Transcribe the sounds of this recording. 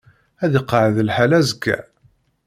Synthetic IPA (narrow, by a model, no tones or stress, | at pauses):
æðiqːəʕðəlħælæzəkːæ̰